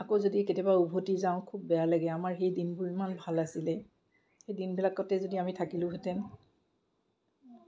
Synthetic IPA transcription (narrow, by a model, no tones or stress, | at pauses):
akozodiketɛbaubʱotizaʊ̃kʰubːɛjalaɡɛamaɹxejdinbʊɹimanbʱalasilɛ | xejdinbilakːɔtɛzodiamitʰakilʊ̃ɦetɛn